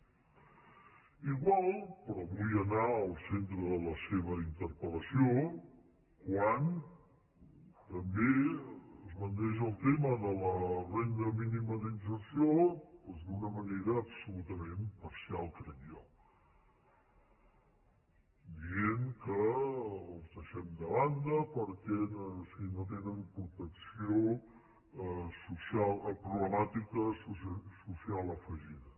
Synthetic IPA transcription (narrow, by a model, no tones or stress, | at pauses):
iɣwalˠpɾɔβujənaəlˠsent̪ɾəðələseβəint̪əɾpələsio | kwan | t̪əmbeəzmənt̪ɛʒəlˠt̪eməðələrɛnd̪əminiməðinsəɾsiopɔzd̪unəməneɾəːpsulut̪əmempəɾsialˠkɾəma | d̪ieŋkəː | lˠzðəʃɛmd̪əβand̪əpəɾkɛsinot̪̬enəmpɾut̪əksio | susialˠpɾuβləmat̪ikəsususialˠəfəʒiðə